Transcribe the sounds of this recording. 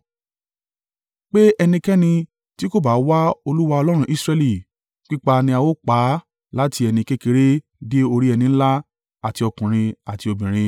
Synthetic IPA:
k͡pe˦ɛ˧nĩ˧kɛ˦nĩ˧ | ti˦ko˦˨ba˨˦wa˦o˧lu˦wa˧ɔ˧lɔ˦ɾ̃ũ˦ʔi˦sɾɛ˧li˦˨ | k͡pi˦k͡pa˧nĩ˧a˧wo˦k͡pa˨˦ | la˦ti˧ɛ˧nĩ˧ke˦ke˧˦ɾe˦ | de˦o˧ɾi˦ɛ˧nĩ˧n̩˦la˦ | a˦˨ti˧ɔ˧kũ˨ɾ̃ĩ˧a˨ti˧o˧bĩ˨ɾ̃ĩ˧

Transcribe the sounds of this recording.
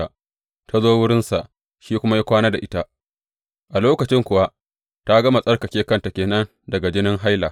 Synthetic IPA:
a˨ | tʰa˦zoː˦wʊ˦ɽɪ˦nsa˨ʔ | ʃiː˦kʷʊ˦ma˦ja˦kʷaː˦na˦da˨ʔɪ˦ta˦ʔ | ʔa˨loː˦kɐ˨t͡ʃɪ˦ŋkʷʊ˨wa˦ʔ | ta˦ɡɐ˦ma˨sʼɐ˦rkɐ˨kʲeː˦kɐ˦nta˨kʲeː˨nɐ˦n | dɐ˨ɡa˨d͡ʒɪ˦nɪ˦ŋɦa˦jla˨

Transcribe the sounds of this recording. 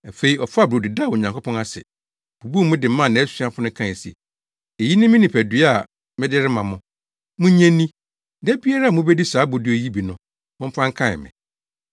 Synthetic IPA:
æ˨fe˦i˨˦ɔ˨fʊ˦a˨bo˨dɪ˨da˦˨wo˨ɲã˨ŋkʰɔ˦pʰɔ̃˦na˦sɛ̰˨ | b̥u˨bu˦˨˦mʊ̃˦dɪ˨˦mã˦˨nã˨˦æ˦si˦a˦fʊ̃˦nʊ̃˦kʰã˦˨sɛ̰˨ | e˨ji˦nɪ̃˦mɪ̃˦nɪ̃˨pʰæ˨dɥa˨ | mɪ̃˦dɪ˦ɾɪ˦mã˨mʊ̃˨ | mʊ̃˦ɲɛ̃˦nːĩ˦ | dɛ˦bi˦a˦ɾa˦a˨mʊ̃˦be˦di˦saː˨˦bo˨du˨˦e˨ji˦bi˨nʊ̃˨ | mʊ̃˦m̩˦pʰã˦ŋ˦kʰã˦ɪ̰˨mɪ̰̃˨

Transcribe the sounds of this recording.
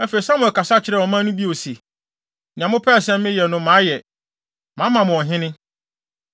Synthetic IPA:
ɛ˦fe˨i˨sã˦mʊ̃˨kʰa˨sa˦t͡ɕʰɪ˨ɾɛ˦˨wɔ˨mã˦nʊ̃˦bi˦o˨si˨ | ã˨mʊ̃˦pʰɛː˦˨sɛ̃˦m˦mɪ̃˦jɛ˨nʊ̃˦mã˨˦jɛ˨ | mã˨˦mã˨mʊ̃˨ɔ˨ɦɪ̃˦nɪ̃˦

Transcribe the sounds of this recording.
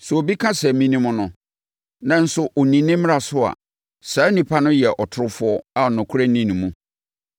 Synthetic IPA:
sɛ˨o˨bi˦kʰã˦sɛ˨mĩ˦nĩ˦mʊ̃˦nʊ̃˨ | nã˨n̩˦sʊ˨ʔo˨nĩ˨nɪ̃˦m̃˦a˨sʊ˦a̰˨ | saː˨˦nĩ˨pʰa˦nʊ̃˦jɛ˨ʔɔ˨tʰʊ˨ɾʊ˦fʊ˦ɔ˦a˨nʊ̃˨kʰʊ˦ɾa˦nĩ˦nũ˨mũ˨

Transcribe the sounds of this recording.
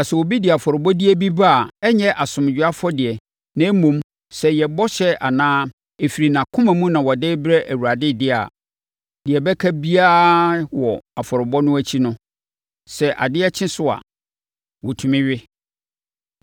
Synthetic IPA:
a˨sɛ˨wɔ˨bi˦dɪ˨a˨fɔ˨ɾɪ˨bɔ˦di˦ɛ˦bi˦ba˦a˨ɛ˦ɲɛ̃˦ʔa˨sʊ̃˨m˨d͡ʑᶣʊ˨˦a˦fɔ˦dɪ˨ɛ˨ | nɛ̃˦mũ˦m | sɛ˨jɛ˨bɔ˦ɕɛ˦a˨nãː˦ | e˨fi˨ɾi˨nã˨kʰʊ̃˦mæ̃˨mũ˦nã˨wɔ˨de˦bɾɛ˦ʔæ˨wu˨ɾa˨dɪ˦dɪ˦a̰˨ | dɪ˨ɛ˨bɛ˦kʰæ˦bi˦a˦wɔ˨a˨fɔ˨ɾɪ˨bɔ˦nʊ̃˦æ˦t͡ɕʰi˦nʊ̃˦ | sɛ˨ʔa̰˨dɪ˦ɛ˦t͡ɕʰɪ̃˦sʊ˦a̰˨ | wɔ˨tʰũ˨mɪ̃˦ɥɪ˦

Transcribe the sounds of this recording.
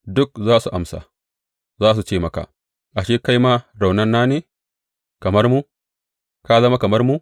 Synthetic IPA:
dʊ˦k̚zaː˦su˨ʔa˨msa̰ː˨ | zaː˦s̬u˨t͡ʃeː˦mɐ˨ka̰ː˨ | ʔa˨ʃeː˦ka˦jmaː˦ɾa˨wnɐ˦nːaː˦neː˨ | kɐ˨mɐ˦ɾmu˦ | ka˦zɐ˦ma˦kɐ˨mɐ˦ɾmu˦

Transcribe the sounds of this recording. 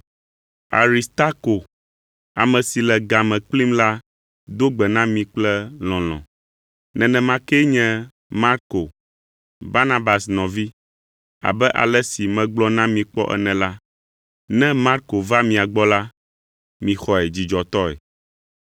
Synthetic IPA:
a˨ɾi˨st̪a˦ko˨ | a˨mɛ̃˨si˨lɛ˨ɡa˨mɛ̃˨k͡pli˦mla˦ | d̪o˦ɡ͡bɛ˨nã˦mĩ˨k͡plɛ˦l̃ɔ̃˨lɔ̰̃˨ | nɛ̃˨nɛ̃˨mã˦kɛ˦ɲɛ̃˦ | ma˦ɾko˨ | ba˦nã˦ba˨snɔ̃˨vi˦ | a̰˨bɛ˦ʔa̰˨lɛ˦si˨mɛ̃˨ɡ͡blɔ˦nã˦mĩ˨k͡pɔ̰˦ʔɛ̰˨nɛ̃˨la˦ | nɛ̃˦ma˦ɾko˨va˦mĩ˨a˨ɡ͡bɔ˦la˦ | mĩ˨xɔ˨ɛ˨d͡ʑi˨d͡ʒɔ˨t̪ɔ˦ɛ̰˨

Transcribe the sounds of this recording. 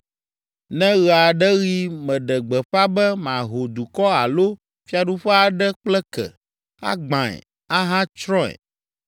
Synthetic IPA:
nɛ̃˦ɣɛ˨a˨ɖɛ˦ɣi˦mɛ̃˨ɖɛ˨ɡ͡bɛ˨ɸa˦bɛ˦mã˨ɦo˨d̪u˨kɔ˦a˨lo˦ | fi˦a˨ɖu˦ɸɛ˦a˨ɖɛ˦k͡plɛ˦kɛ̰˨ | a̰˦ɡ͡bã˨ɛ̰˨ | a˦ɦã˦t͡ʃɾɔ̃˦ɛ̰˨

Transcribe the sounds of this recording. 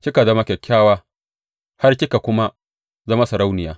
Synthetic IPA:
kʲɪ˦ka˨zɐ˦ma˦kʲɛ˨kʲʰːaː˦waː˦ | ha˦rkʲɪ˦ka˨kʷʊ˦ma˦ | zɐ˦ma˦sɐ˨ɾa˦wnɪ˨jaː˦

